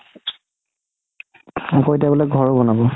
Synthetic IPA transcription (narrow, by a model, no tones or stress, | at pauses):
ɔkɔitabɔlɛɡʱɔɹobɔnabɔ